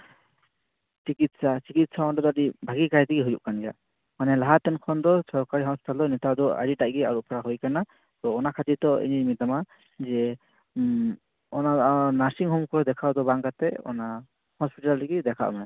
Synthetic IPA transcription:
t͡ʃikit̪̚sasikit̪̚saɔndɔd̪adibʱaɡikat̪ikiɦojṵʔkanɡa | manɛlaɦat̪ɛnkʰɔnd̪ɔsɔɹkaɹiɦɔspi̥tald̪ɔnɛt̪ad̪ɔa̰ɾitaʔɡɛaɹupʰɔɹaɦojkana | t̪ɔɔnakʰat̪it̪ɔḭnimit̪ama | zɛ | ɔnanasiŋɦɔmkʰɔɹɔd̪ɛkʰawd̪ɔbaŋkat̪ɛɔ̰na | hɔspitaldiɡid̪ɛkʰa̰ʔmanɛ

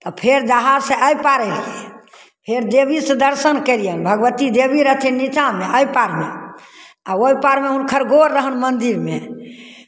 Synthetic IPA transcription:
t̪ɔpʰeɾd͡ʒaɦad͡ʒseʔəjpaɾɛlie | pʰeɾd̪ebisəd̪əɾsənkəɾijənbʱəɡʋət̪id̪ebiɾət̪ʰinnit͡ʃameəjpaɾme | aoipaɾmeɦunkʰəɾɡoɾːəɦənmənd̪iɾme

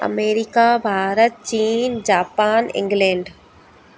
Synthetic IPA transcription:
ɐ̰meːɾikabʱaːɾət̪̚t͡ɕiːnd͡ʑaːpaːnɪ̰̃ŋɡlẽːɳɖ

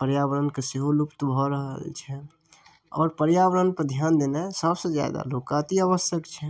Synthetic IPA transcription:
pəɾjaʋəɾənkeseɦolupt̪bʱɔɾəɦt͡ʃʰɛ | ɔ̰ːɾpəɾjaʋəɾənpəɾd̪ʱjaːnd̪enesəbsed͡ʒja̰d̪a̰loːkat̪iaʋəsjəkt͡ʃʰɛ

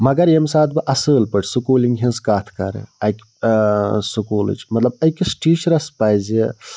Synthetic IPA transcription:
mɐɡɐɾjemsaːt̪ʰbɨʔɐsəːlpəʈʰʲsukuːliŋɡɦẽnskaːt̪ʰkɐ̰ɾḛɐkʲ | sukuːlɨ̰t͡ʃmɐt̪lɐbɐkʲisʈiːʃɾɐspajze

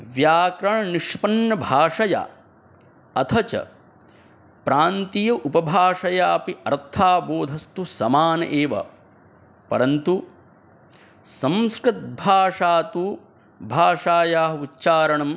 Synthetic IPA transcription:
ʋjaːkɾɐɳɐniʂpɐnːɐbʱaːʂɐja̰ | ɐt̪ʰɐt͡ʃɐ̰ | pɾaːnt̪ijɐʔupɐbʱaːʂɐjaːpiɐɾt̪ʰaːboːd̪ʱɐst̪usɐmaːnɐʔeːʋɐ̰ | pɐɾɐnt̪u | sɐ̃mskɾɪt̪̚bʱaːʂaːt̪u | bʱaːʂaːjaːɦɐutːʃaːɾɐɳɐm

